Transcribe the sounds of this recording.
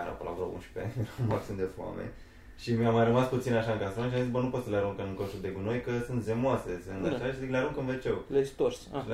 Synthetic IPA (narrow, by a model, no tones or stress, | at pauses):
ɾo̰pəla̰vɾo̰ṵnʃi̥pemat̪sɨnd̪esfa̰mḛn | ʃimiamajɾəmasput̪sinaʃaɨŋkasɾanʃiamzis̬bənupo̞t̪səleaɾuŋkəmɨŋkonʃud̪e̞ɡuno̞jkəsɨnt̪zemoase̞sɨnd̪aʃaaʃizikleaɾuŋkəmvet͡ʃe̞wlet̪osʃil